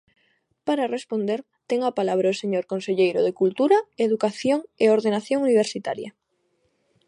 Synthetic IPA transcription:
paɾarespond̪eɾ | t̪eŋapalaβ̞ɾaoseɲoɾkonseʎejɾoðekult̪uɾaeðukaθjoŋeoɾðenaθjoŋuniβ̞eɾsit̪a̰ɾja

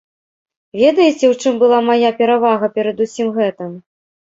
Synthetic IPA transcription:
vʲɛd̪ɐjɛt͡sʲɛwt͡ʂɨmbɨlˠamajapʲɛɾavaɣɐpʲɛɾɐd̪usʲimɣɛt̪ɨm

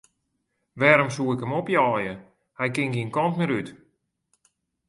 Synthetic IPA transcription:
ʋɛːɾomsuːɪkəmopjɔːjə | hɛjkɪŋɡiənkɔntmɪɾyt

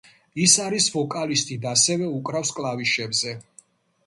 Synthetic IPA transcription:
isaɾisvɔkʼalist̪ʼid̪asɛvɛukʼɾafskʼlˠaviʃɛbzɛ

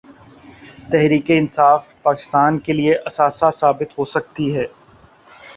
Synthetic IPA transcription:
t̪ɛɦɾiːkeɪnsaːfpaːkɪ̥st̪aːnkelieʔɐsaːsasaːbɪt̪ɦosɐk̚t̪iɦɛː

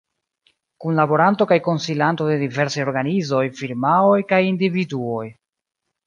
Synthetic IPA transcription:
kunlabo̞ɾanto̞kajko̞nsilanto̞de̞dive̞ɾsajo̞ɾɡanizo̞jfiɾmaojkajindividuo̞j

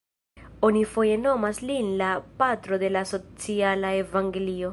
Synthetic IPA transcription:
o̞nifo̞je̞no̞maslinlapatɾo̞de̞laso̞t͡sialaevaŋɡe̞lio̞

